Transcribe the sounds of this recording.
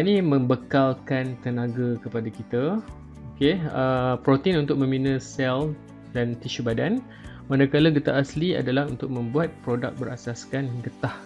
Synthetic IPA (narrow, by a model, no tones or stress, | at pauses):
nimə̃mbəkalkant̪ənãɡakəpadakit̪a | okeəpɾot̪əinunt̪ʊk̚mə̃minə̃sɛl | dant̪iʃubadan | mãnakalaɡət̪aʔaslia̰dalahunt̪ʊk̚mə̃mbuat̪̚pɾoda̰k̚bəɾasaskanɡət̪ah